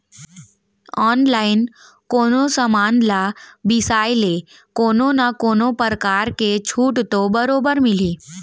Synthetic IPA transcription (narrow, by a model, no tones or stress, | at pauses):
ɔːnlaːɪn | koːnosəmaːnlabɪsaːjle | koːnonakoːnopəɾəkaːɾket͡ʃʰuːʈt̪obəɾoːbəɾmɪliː